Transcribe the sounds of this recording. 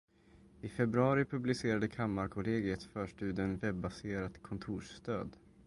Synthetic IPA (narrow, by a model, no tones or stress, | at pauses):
ɪfɛbɾɵɑːɾɪpʰɵblɪseːɾad̪əkʰamːaɾkʰʊleːɡɪɛt̪fœːʂʈʉ̟ːd̪ɛnvɛbːaseːɾat̪kʰɔnt̪ʰuːʂst̪ø̰ːd̪